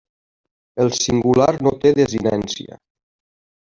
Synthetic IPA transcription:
əlˠsiŋɡulaɾnot̪eðəzinɛnsḭə̰

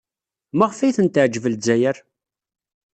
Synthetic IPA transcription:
mæʁfæjθənt̪ʕd͡ʒəvəld͡zæjəɾ

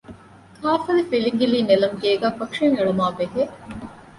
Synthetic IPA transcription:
kʰaːfɐlifiliŋɡiliːnelɐmɡeːɡæːfɐkʂeŋeɭumaːbeɦe

